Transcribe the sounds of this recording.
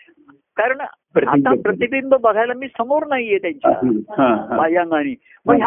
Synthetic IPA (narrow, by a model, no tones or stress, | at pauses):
kaɾəɳ | ɾaapɾət̪ipimbəbəɡʱajlamiːsəmoɾnaɦijet̪jaɲt͡ɕa̰ɦãɦabajãŋɡañiː | mə